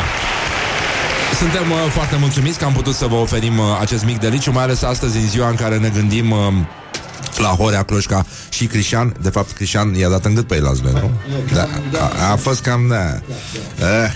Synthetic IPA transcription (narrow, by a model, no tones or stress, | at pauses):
sunt̪e̞mfoart̪e̞mult̪sumit̪sʲkəamput̪ut̪səvəo̞fe̞ɾimat͡ʃe̞s̬t̪mik̚d̪elit͡ʃumajale̞sast̪əzʲɨnziwaɨŋkaɾe̞ne̞ɡɨnd̪im | laɦo̞ɾeaklo̞ʃka | ʃikɾiʃand̪e̞fap̚t̪kɾiʃanjad̪at̪ɨŋɡɨt̪̚peela̰zlḛnṵd̪a̰afo̞st̪̚kamd̪a | ə